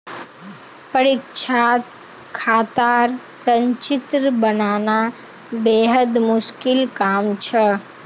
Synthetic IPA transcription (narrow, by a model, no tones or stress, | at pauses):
pəɾikʃʰaːt̪ | kʰaːt̪aɾsə̃ɲt͡ʃɪt̪ɾəbənaːna | beːɦəd̪mʊʃkɪlkaːmt͡ʃʰə